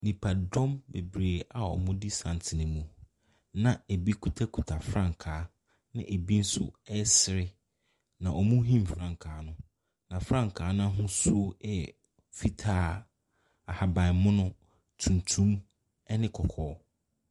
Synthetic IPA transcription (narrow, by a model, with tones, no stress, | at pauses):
nĩ˨pʰa˨dɔ̃˦mbe˨bɾeː˨a˨ɔ̰˨mʊ̃˦di˦sã˨n˨tʰɪ˨nɪ̃˨mũ˨ | nã˨e˨bi˦kʰu˨tʰa˦kʰu˨tʰa˨fɾã˦˨ŋ˨kʰaː˨˦ | nɪ̰̃˦ʔe˨bi˦n̩˦sʊ̰˦ɛ˦sɪ˨ɾɪ˦ | nã˨ʔɔ˨mũ˦ɦĩ˦mfɾã˦ŋkʰaː˨˦nʊ̃˦ | nã˨fɾã˦ŋ˨kʰaː˨˦nã˦ɦʊ̃˦su˦ɛ˦˨ | fi˦tʰaː˦ | a˨ha˨bã˨ɪ˨mʊ̃˦nʊ̃˦ | tʰũ˨n˨tʰũ˦m | ɛ˦nɪ̃˦kʰɔ˨kʰɔː˦